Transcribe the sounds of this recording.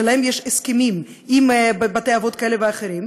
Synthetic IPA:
laemjeʃeskemim | imbbat̪ejavot̪kaeleveaχeɾim

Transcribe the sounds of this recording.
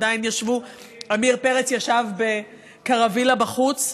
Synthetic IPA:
dajinjaʃvu | amiʁpe̞ʁet͡sjaʃavbe | kaʁavilabaχut͡s

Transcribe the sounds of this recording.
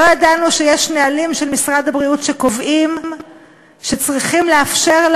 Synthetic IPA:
ojad̪anuʃejeʃnealimʃelmisʁad̪abʁiutʃekovʔim | ʃe̞t͡sʁiχimleafʃe̞ʁl

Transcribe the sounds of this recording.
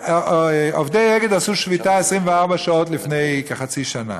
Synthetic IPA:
o̰fdeɛɡədasuʃvitasʁɪmvaʁbaʃɔtlɪfneɪkaχat͡siʃana̰

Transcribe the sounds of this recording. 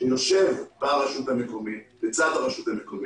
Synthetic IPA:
noʃe̞vbaʁaʃuthamekomibet͡sad̪aʁaʃut̪hamekomi

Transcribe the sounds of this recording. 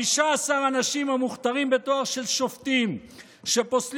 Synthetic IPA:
iʃaːsaʁanaʃimhamuχt̪aʁimbe̞t̪oaʁʃe̞lʃoft̪im | ʃe̞posl

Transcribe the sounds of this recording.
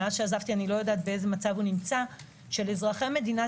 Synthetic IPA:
azʃeazavt̪ianilo̞jodaːt̪̚be̞e̞ze̞mat͡savunimt͡sa | ʃe̞lezʁaχeme̞dina

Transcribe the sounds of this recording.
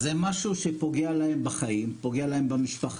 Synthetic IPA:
zemaʃuʃepo̞ɡealahe̞mbaχajimpo̞ɡealahe̞mbamiʃpaχ

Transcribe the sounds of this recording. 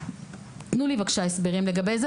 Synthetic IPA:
t̪nulivakʃaesbeʁimleɡabejz

